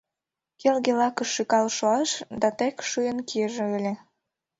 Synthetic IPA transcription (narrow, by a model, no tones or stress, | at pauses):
kelɣelɑkə̆ʃːykɑlʃoɑʃd̪ɑt̪ekʃujənkiəʒeølʲe